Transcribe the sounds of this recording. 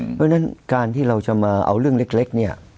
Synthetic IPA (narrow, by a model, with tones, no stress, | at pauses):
pʰɔ˦˥˦na˦˥nkaː˧nt̪ʰiː˥˩ɾa˧wt͡ɕa˨˩maː˧ʔa̰˧wɾɯ˥˩əŋle˦˥k̚le˦˥k̚ni˥˩ɐ